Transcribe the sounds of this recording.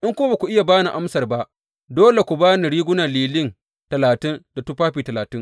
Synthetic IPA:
ʔɪ˦ŋkʷʊ˦a˦ba˨kʷu˨ʔɪ˦ja˨baː˦ni˨ʔa˦msɐ˨rba˦ʔ | doː˦le˨kʷu˨baː˦ni˨ɽiː˦ɡʷʊ˦na˨liː˨lɪ˦ŋ | tɐ˨laː˨tɪ˦nda˨tu˦ɸaː˦ɸiː˨tɐ˨laː˨tɪ˦ŋ

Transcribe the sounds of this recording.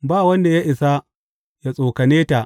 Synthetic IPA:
baː˦˨wɐ˦nda˨ja˦ʔɪ˨sa˦ | ja˦sʼoː˨kɐ˨neː˦ta˨ʔ

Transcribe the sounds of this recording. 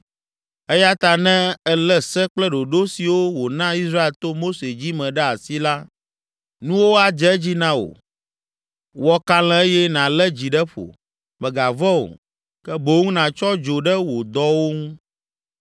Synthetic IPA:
ɛ˦ja˦t̪a˨nɛ̃˦ɛ˦lɛ˦sɛ˦k͡plɛ˦ɖo˨ɖo˦si˨wo˦wo˨nã˦i˦sɾa˦e˨lt̪o˦mo˦se˨d͡ʑi˦mɛ̃˨ɖɛ˦a˨si˦la˦ | nũ˦wo˦a˦d͡ʒɛ˦d͡ʑi˦nã˦o̰˨ | wɔ˦ka˦l̃ɛ̃˦e˦jɛ˦nã˨lɛ˦d͡ʑi˨ɖɛ˦ɸo̰˨ | mɛ̃˨ɡa˨vɔ˦o̰˨ | kɛ˦bo˨˦ŋũ˦nã˨t͡ʃɔ˦d͡ʒo˨ɖɛ˦wo˨d̪ɔ˦wo˦ŋũ˦

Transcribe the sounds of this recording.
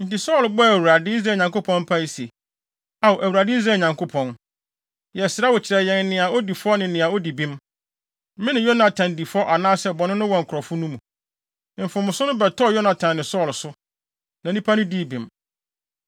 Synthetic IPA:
n̩˨ti˨sɔ˦˨lbɔ˦æ˨wu˨ɾa˨dɪ˦i˦z̬ɾaː˨ɲã˨ŋko˦pʰɔ̃˦nm̩˦pʰa˦i˦se˨ | a˨wo˨ʔæ˨wu˨ɾa˨dɪ˦i˦z̬ɾaɛː˨ɲã˨ŋkʰo˦pʰɔ̃˨n | jɛ˨sɪɾa˦wɔ˨t͡ɕʰɪ˨ɾɛ˨jɛ̃˨n˦nɪ̃˨a˨o˦di˨fɔ˦nɪ̃˨nɪ̃˨a˨o˦di˨bĩ˦m˦ | mɪ̃˦nɪ̃˨jɔ˦nã˨tʰã˨n˨di˨fɔ˦ʔa˨nãː˦sɛ˨bɔ˨nʊ̃˦nʊ̃˦wɔ˨ŋ̩˨kʰɔ˨fʊ˦nũ˦mũ˨ | m̩˨fʊ̃˨mʊ̃˨sʊ˦nʊ̃˦bɛ˨tʰɔ˦˨jɔ˦nã˨tʰã˨nː˨ɪ̃˨sɔː˦˨lsʊ˦ | nã˨nĩ˦pʰa˦nʊ̃˦di˦˨bĩ˨m

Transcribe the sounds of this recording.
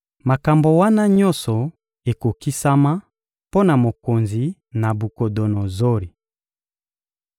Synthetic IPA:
ma˨ka˨mbo˨wa˦na˦ɲɔ˦nsɔ˨ | e˨ko˨ki˦sa˦ma˦ | po˦na˨mo˨ko˨nzi˨ | na˨bu˨ko˨do˨no˨zo˦ɾi˨

